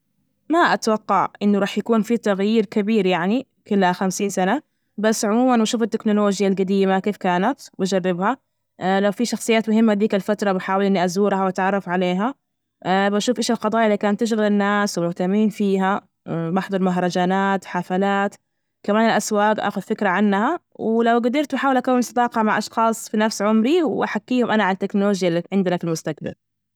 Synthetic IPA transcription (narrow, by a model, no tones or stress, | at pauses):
maʔat̪wɑqːɑʕʔɪnːʊɾˤɑːħjakuːnfit̪aɣjiːɾkabiːɾjaʕni | kʊlːhaxamsiːnsana | basːʕʊmuːmanbaʃuːfɪt̪ːɪknʊloːd͡ʒjalɡad̪iːmakeːfkaːnat̪bad͡ʒɑrˤːɪbha | lawfiʃɑxsˤɨjːaːt̪mʊɦɪmːad̪iːkalfat̪ɾˤɑbaħaːwɪlʔɪnːiʔazuːɾhawʔat̪ʕɑrˤːɑfʕaleːɦa | baʃuːfʔɪːʃɪlqɑd̪ˤɑːjʔlːiːkaːnt̪ːɪʃ̬ɣalɪnːaːswmʊht̪amiːnfiːɦa | maħd̪ˤɑɾˤmaɦɾˤɑd͡ʒaːnaːt̪ħafalaːt̪ | kamaːnɪlʔaswaːɡʔa̰ːxʊd̪fɪkɾaʕanːhawlawɡʊd̪ɪɾt̪baħaːwɪlʔakawːɪnsˤɑd̪ɑːqɑmaʕʔɑʃxɑːsˤfinafsʕʊmɾiwwʔaħakːiːhʊmʔanaʕalat̪ːɪknʊloːʒjaiʕɪnd̪ɪlafɪlmʊst̪ak̚ba̰l